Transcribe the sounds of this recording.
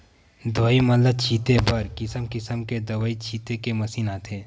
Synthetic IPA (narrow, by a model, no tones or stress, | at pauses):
d̪ʋaːimɐlət͡ʃʰiːt̪ebɐɾkɪsəmkɪsəmked̪ɐʋaːit͡ʃʰiːt̪ekemɐsiːnaːt̪ʰeː